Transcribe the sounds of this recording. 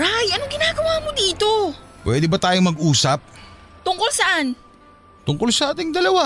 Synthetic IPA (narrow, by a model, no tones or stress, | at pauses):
ʔajʔɐnoŋɡɪnaːɡɐwaːmod̪iːt̪o̞ | pwʔɛːd̪ɛbɐt̪aːjoŋmɐɡʔuːsɐp̚ | t̪ʊŋkolsɐʔan | t̪ʊŋkolsɐʔaːt̪ɪŋd̪ɐlɐwa